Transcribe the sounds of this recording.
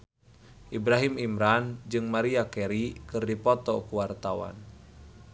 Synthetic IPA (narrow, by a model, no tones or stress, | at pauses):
ʔibɾaɦimimɾand͡ʒɨŋmaɾiakɛɾikɨrdipɔt̪ɔkuwart̪awa̰n